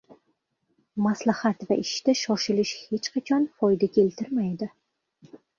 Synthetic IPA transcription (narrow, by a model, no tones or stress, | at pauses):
maslahat̪vaʔɪʃt̪aʃɒʃɪlɪʃhe̞t͡ʃqʰat͡ʃʰɒnfɒjd̪akʲʰelt̪ʰɪɾmajd̪ɪ